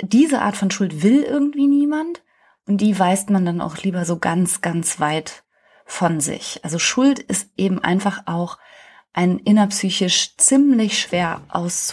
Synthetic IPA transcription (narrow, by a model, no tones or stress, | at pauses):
d̥iːzəʔa̰ːtfɔnʃʊltv̥ɪlʔɪɐɡŋ̩tv̥iːniːmant | ʔʊnt̚d̥iːvaɪstmandana̰ʊxliːbɐzoːɡant͡sɡ̥ant͡sv̥aɪt | fɔnzɪ̰çʔa̰lzoʃʊltɪstʔeːbm̩ʔa̰ɪnfaχʔaʊx | ʔaɪnʔɪnɐpsyːçɪʃt͡siːmlɪçʃv̥eːɐʔa̰ʊst͡s